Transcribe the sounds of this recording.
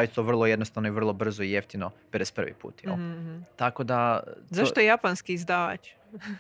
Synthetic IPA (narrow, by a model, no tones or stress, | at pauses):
ajit̪oʋr̩lˠoje̞d̪nost̪anoiʋr̩lˠo̞br̩zoijeft̪inopeɾespr̩ʋḭpṵːt̪io̰t̪akod̪azaʃt̪ojjapanskiizd̪aːʋa̰t͡ʃ